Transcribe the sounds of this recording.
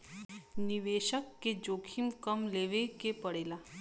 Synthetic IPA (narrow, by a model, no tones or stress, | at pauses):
niʋeːʃəkːed͡ʒoːkʰimkəmleːʋekepəɽeːlaː